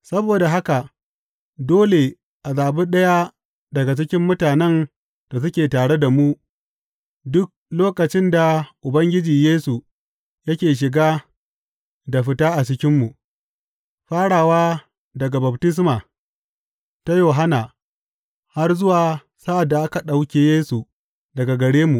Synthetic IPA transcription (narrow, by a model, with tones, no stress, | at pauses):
sɐ˦boː˨da˨ɦa˦ka˨ʔ | doː˦le˨ | ʔa˨zaː˨bu˦ɗɐ˦ja˦ | dɐ˨ɡa˨t͡ʃɪ˦kʲɪ˦mːʊ˦taː˨nɛ˦n | d̥a˨s̬ʊ˦kʲeː˨taː˨ɽe˦da˨mu˦ | dʊ˦k̚loː˦kɐ˨t͡ʃɪ˦nda˨ʔʊ˨bɐ˦ŋɡʲɪ˦d͡ʒiː˨jeː˦su˨ | jɐ˦kʲeː˨ʃ̬ɪ˨ɡaː˦ | da˨ɸɪ˦taː˦ʔa˨t͡ʃɪ˦kʲɪ˦mːu˨ | ɸaː˦ɽaː˨waː˦ | dɐ˨ɡa˨ba˨btɪ˦s̬maː˨ | ta˦joː˨ɦa˦na˨ | ha˦rzʊ˦waː˨ | sa˦ʔa˨dːa˨ʔa˦ka˨ɗa˨wkʲeː˨jeː˦su˨ | dɐ˨ɡa˨ɡɐ˨ɽeː˦mu˨ʔ